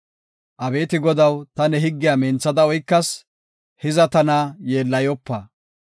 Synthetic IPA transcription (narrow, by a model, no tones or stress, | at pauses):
ʔɐbe̞ːt̪ɪɡɔd̪ɐwt̪ɐnɛɦɪɡːɪjamɛnt͡sːɐd̪ɐɔjkːɐs | hɪzɐt̪ɐnajeːlːɐjɔpːɐ